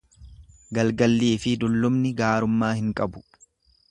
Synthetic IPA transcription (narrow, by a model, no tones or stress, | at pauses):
ɡɐlɡɐlːiːfɪd̪ʊlːʊmnɪɡaːɾʊmːaːhɪŋkʼɐbʊ̥